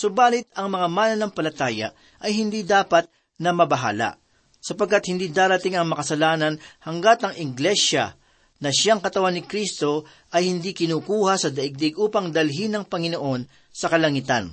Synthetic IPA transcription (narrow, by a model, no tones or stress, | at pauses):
sʊbaːlɪt̪ɐŋmɐŋamaːnɐnɐŋpɐlɐt̪aːjɐ̰ | ʔɐjhɪnd̪iːd̪aːpɐt̪̚ | nɐmɐbɐɦa̰ːla̰ | sɐpɐɡ̚kːat̪̚hɪnd̪iːd̪aːɾɐt̪ɪŋɐŋmɐkɐsɐlaːnɐnhɐŋɡat̪ɐŋɪɡlɛʃɐ̰ | nɐʃaŋkɐt̪ɐwanːɪkɾist̪o̞ | ʔɐjhɪnd̪iːkɪnuːkuːhɐsɐd̪ɐʔɪɡ̚d̪ɪɡʔuːpɐŋd̪ɐlɦinɐŋpɐŋɪno̞ʔo̞n | sɐkɐlɐŋit̪ɐ̰n